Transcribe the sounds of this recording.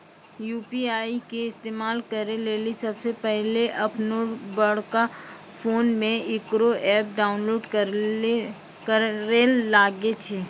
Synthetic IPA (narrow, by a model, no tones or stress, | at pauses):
juːpiaːikeɪst̪eːmaːlkɐɾeleːlisɐbsepɛɦleʔɐpnobɐɽka | foːnmẽɪkɾoʔɛːp̚ɖaːʊnloːɖk | kəelaːɡet͡ʃʰeː